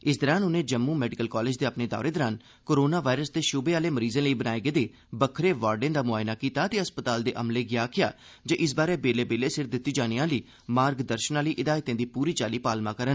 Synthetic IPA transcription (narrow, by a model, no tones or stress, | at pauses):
ɪsd̪əɾaːnʊnẽːd͡ʒəmːuːmɛːɖɪkəlkɔːleːd͡ʒd̪eːəpneːd̪ɔ̰ːɾeːd̪əɾaːn | koːɾoːnaːʋaːɪɾəsd̪eːʃʊbeːaːleːməɾiːz̃ːləiːbənaːeɡəːd̪eː | bəkʰɾeːʋaːɾɖẽːd̪aːmʊaːjnaːkiːt̪aːt̪eːəspət̪aːld̪eːʔəmleːɡɪjaːkʰɪja̰ː | d͡ʒəʔɪs̬baːɾeːbeːleːbeːleːsɪɾd̪ɪt̪ːiːd͡ʒaːɽ̃iːãːləiː | maːɾɡd̪əɾʃənaːləiːʔɪd̪aːɪt̪ẽːd̪iːpuːɾiːt͡ʃaːliːpaːlmãːkəɾən